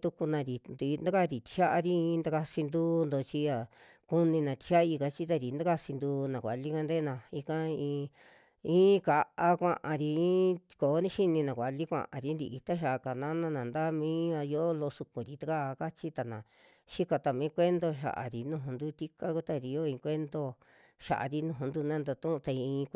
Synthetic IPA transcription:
t̪u˧ku˧nã˧ɾi˨nd̪i˧nd̪a˦ka˦˧ɾi˨t̪i̥˧ʃa˦ʔa˧ɾi˦ĩ˧˦nd̪a˧a˧si˧nd̪uː˦˧nd̪o˧t͡ʃi˧a˨ | ku˦nĩ˧nã˨˧t̪i̥˧ʃa˦i˧ka˧t͡ʃi˦t̪̬a˧ɾi˨nd̪a˦ka˧si˧nd̪uː˧nã˨kʷa̰˨li˦ka˧nd̪e˦nã˧i˧kã˦ĩː˧ | ĩː˦ka˧ʔa˦kʷã̰˧ʔã˧ɾi˧ĩ˦ | ko˨˦nĩ˦ʃi˦nĩ˧nã˨kʷa˨li˦kʷã̰˧˨ʔã̰˨ɾi˧˦nd̪ḭ˧ʔi˧t̪a˦ʃ̬a˨ʔka˨nã˦nã˧nã˨nd̪a˦mĩː˦a˧jo˦lo˧su˧kũ˨ɾi˨t̪a˦ka˦˧ka˦t͡ʃi˦t̪a˧nã˨ | ʃi˦ka˧t̪a˧˨mĩ˨˦kʷe˦nd̪o˧ʃ̬a̰˧˨ʔa̰˨ɾi˨nũ˧ɦũ˧nd̪u˦t̪i˦ka˦ku˦t̪a˧˨ɾi˧jo˦ĩ˧kʷe˦nd̪o˧ | ʃa̰˨ʔa̰˨ɾi˧˦nũ˧˨ũ˧nd̪u˧nã˦nd̪o˧t̪ũ˦˧t̪a˧i˧ĩː˧

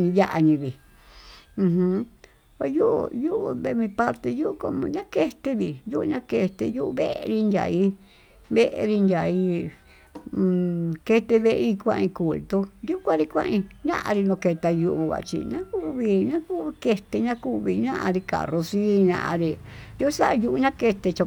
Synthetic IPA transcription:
ɲĩ˧ja˦ʔa˧ɲĩ˧βĩ˨˧ | ɦũ˧ | ka˧ju˦ʔṵ˧ju˦ʔṵ˧βe˧mĩ˧pa˦ɾt̪e˧ju˦ʔu˧ko˧m̃˧ɲã˦ke˦t̪e˧βi˨ju˦ʔu˧ɲã˦ke˧t̪e˧ju˦ʔu˧βe˦ʔḛ˧ɾi˧ndʲja̰˨i˦ | βe˦ʔḛ˧ɾi˧nd̪ʲja˨i˧˦˧ | ke˧t̪e˧βe˧ʔi˧kʷã̰˧ʔĩ˧ku˨lt̪u˧ju˦kʷã˦ɾi˧kʷã̰˦˧ʔĩ˧ɲã̰˦ʔã̰˧ɾi˧nõ˧ke˧t̪a˧ju˧ʔu˧βa̰˨˧t͡ʃḭ˧nã˦ku˦βi˧ɲã˦ku˦βi˧ke˧t̪e˧ɲã˦ku˦˧βi˧ɲã˦ʔã̰˧ɾi˧ka̰˨ro˧si˦ɲã̰˧ʔã̰˧ɾi˧ju˦sa˦ʔju˧ʔu˧ɲã˦ke˧t̪e˧t͡ʃa˧

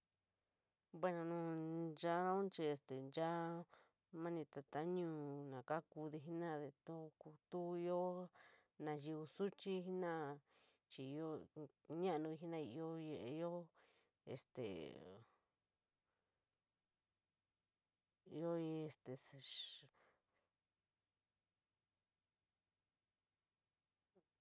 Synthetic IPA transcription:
bwe˦nã˧nũ˧˦d͡ʒa˦nã˦ũ˦t͡ʃi˧e˧st̪e˨nd͡ʒa˦ | mã˦nĩ˧t̪a˧t̪a˦ɲũː˦˨nã˨ka˦ku˧ði˧ɦi˦nã˦ðe˧t̪u˦ku˧t̪u˦i˧jo˦ | nã˨ji˧u˧su˦t͡ʃi˦˧ɦi˦nã˦ | t͡ʃi˧jo˦ɲã˦ʔnũ˧i˧ɦi˦nã˦˧i˧o˦˧je˧ʔe˧jo˦ | ḛ˨st̪ḛ˨ | i˧jo˦i˧˦e˧˨st̪e˨

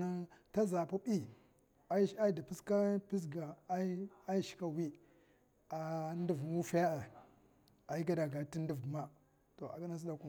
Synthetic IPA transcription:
a˦ta˦za˨pu˦ɓi˦ | a˦i˦da˨pi˦ska˦pi˦s̬ɡa˨˦a˦i˦ʃi̥˨ka˦wi˦ | a˨n˦du˨vmu˦fa˦ja˦a˨ | a˨i˦ɡa˦da˨ɡa˨ti˦ndi˨vɡu˨ma˦ | to˨a̰˨ka˦na˦s̬i˦da˨ku˦

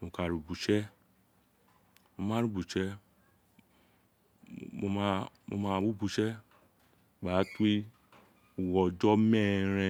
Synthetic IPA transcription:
mõ˨ka˨ɾu˨bu˨ʃɛ˦ | mo˧mãː˦ɾu˦bu˨ʃɛ˦ | o˧ma˦mo̰˧mã˧wu˦bu˧˨ʃɛ˦˨ | ɡ͡ba˨˦ti˦ | u˨wɔ˨d͡ʒɔ˦mɛ̃˦˨ɾ̃ɛ̃˧

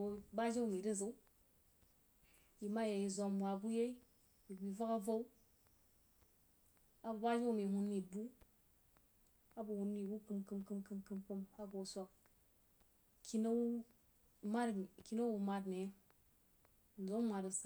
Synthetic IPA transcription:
ba˦d͡ʒa˦wu˨mi˨ɾi˦zə˨˦u˦ | ji˨ma˦je˨ji˨zo˨mwʷa˨bu˦je˦i˦ | ji˨ɡi˨va˦ka˦vo˦u˦ | a˦ba˨ba˦d͡ʒe˦wu˦˨mi˨hu˦nːi˨bu˦ | a˦bu˨hu˨nːi˨bu˦kɨ˦mkɨ˦mkɨ˦mkɨ˦mkɨ˦mku˦mha˦ɡo˨sʷo˦˨k̚ | kʰi˦na˦wu˦ | ma˦dki˦no˦wu˨ma˦dne˨˦ | n̩˨zo˦mmʷa˨ɾu˨s

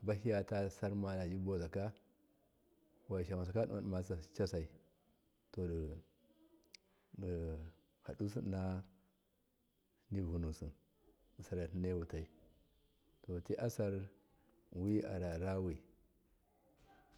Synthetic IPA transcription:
ba˦ɦi˦ja˨ta˦sa˦ɾma˨na˨d͡ʒi˦bo˦za˨ka˦ | wa˨ʃa˨ma˨s̬a˨ka˦ɗu˦a˨ma˨sa˨t͡ʃa˦sa˨i˨ | to˨d | ha̰˨ɗu˦si˦na˦ | ni˦vu˨nu˨si˨n˨ | sa˨ɾa˨tne˦wu˨ta˨i˨ | to˨ti˦ʔa˦sa˦ɾ | wi˦a̰˨ɾa˨ɾa˦wi˨

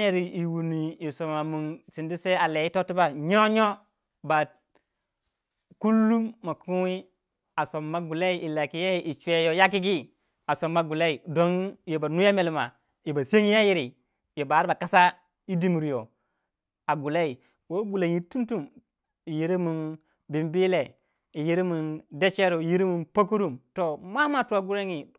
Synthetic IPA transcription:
a˦je˦ɾi˨i˨wu˨ni˨i˨so˨ma˨mu˨nsi˨ndi˦se˦a˨le˨ji˦to˦ti˦ba˦ɲo˦ɲo˦ | ba˨ | ku˦lːu˦mːa˨ku˦wi˦ | a˨so˨mːa˦ɡu˨la˦i˦ʔi˨la˨ki˦ja˦ji˦ʔi˨t͡ʃʷe˦jo˦ja˦k̬i˦ɡi˦ | a˨so˨mːa˨˦ɡu˨la˦i˨do˦nje˨ba˨nu˦ja˦me˨lma˨ | i˨ba˨se˦ŋi˦ja˦ji˦ɾi˨ | je˨ba˨˦ɾba˨ka˦sa˦ | i˦di˦mi˨ɾi˨jo˨ | a˨ɡu˨la˦i˨ | wo˦ɡu˨la˨ŋi˨tu˦n˦tu˦m | i˨ji˦ɾi˦mu˨n | bi˨mbi˦le˨ | i˨ji˦ɾi˦mu˨nde˦t͡ʃe˦ɾo˨i˨ji˦ɾi˦mu˨npa˦k̬u˦ɾu˦mto˨ma˦ma˦tu˦a˨ɡu˦ɾa˦ŋi˨

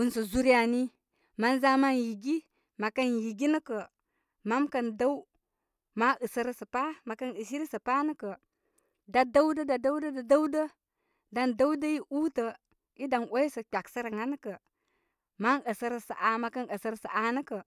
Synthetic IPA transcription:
u˨nsə˨zu˦ɾi˦a˨ni˦ | ma˦nza˦ma˦nji˨ɡi˦ | ma˨kə˦nji˨ɡi˦nə˦kə˨ | ma˦mkə˨nda˦w | ma˦ʔə˨sə˦ɾə˦sə˨pa˦ma˨kə˦nə˨s̬i˦ɾi˦sə˨pa˦nə˦kə˨ | da˦da˦wdə˦da˨da˦wdə˦da˨da˦wdə˦ | da˨nda˦wdə˦ji˦ʔu˦tə˨ | i˦da˨no˦ji˦sə˨k͡pʲa˨ksə˦ɾə˨ŋa˦n˦kə˨ | ma˦nə˨sə˦ɾə˨sə˨ʔa˨ma˨kə˦nə˨sə˦ɾə˦sə˨ʔa˨nə˦kə˨

